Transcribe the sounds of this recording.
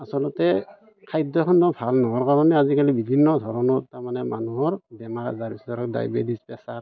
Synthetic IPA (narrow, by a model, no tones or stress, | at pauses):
asɔlɔtɛ | kʰajdɔxʰɔndɔbʰʱalnɔɔɹkaɾɔnɛazikalibibʱinːɔdʱɔɾɔnɔtamanɛmanuɔɹdɛmaɾa̰zaɾbisdɔɾɔk̚da̰jbedispɛsaɾ